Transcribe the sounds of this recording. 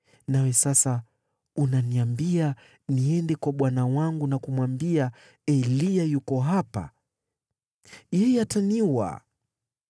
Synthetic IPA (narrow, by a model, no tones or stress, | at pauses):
nawɛsasa | unaniambia | niɛndɛkwaɓwanawaŋɡunakumwambia | ɛliajukɔɦapa̰ | jɛjɛataniwa̰